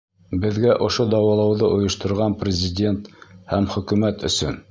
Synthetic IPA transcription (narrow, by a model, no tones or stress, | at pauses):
bɘ̆ðɡæʔŏʃod̪ɑwɑlˠɑwðɤʔŏjŏʃt̪ŏɾʁɑnprʲɪzʲɪdʲe̞nt̪hæmχɵ̆kʉmæt̪ɵ̰̆sɵ̰n